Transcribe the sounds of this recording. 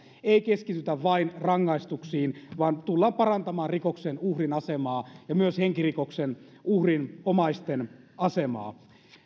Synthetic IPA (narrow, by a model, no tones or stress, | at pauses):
eikeskit̪yt̪æʋʋɑinrɑŋːɑist̪uksiːnʋɑːnt̪ulːɑːmpɑrɑnt̪ɑmɑːnrikoksenuhrinɑsemɑːjɑmyøsheŋkirikoksen | uhrinomɑist̪en | ɑsemɑ̰ː